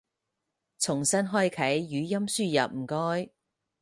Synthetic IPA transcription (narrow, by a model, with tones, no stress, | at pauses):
t͡sʰʊ˨˩ŋsɐ˥nɦɔː˥jkʰɐ˨˥jːyː˨˥jɐ˥msyː˥˧jɐ˨p̚m̩˨˩kɔː˥j